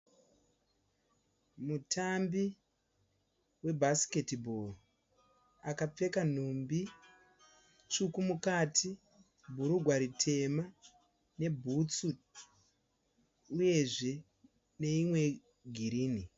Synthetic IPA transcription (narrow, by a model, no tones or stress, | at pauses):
mutʰambi | we̞bʱasi̥ke̞tibʱor | akap͡fe̞kan̤umbi | t͡ʃukumukatʰi | bʱuɾuɡʱwaɾitʰe̞ma | ne̞bʱut͡su | uje̞ʐe̞ | ne̞imwe̞ | ɡʱiɾiːni